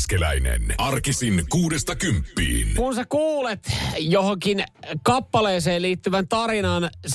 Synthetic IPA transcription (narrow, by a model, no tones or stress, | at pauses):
skelæinḛnɑrkisinkuːdest̪ɑkympːḭːnkunsekuːlet̪johoŋkinkɑpːɑleːseːliːt̪ːyʋænt̪ɑrinɑns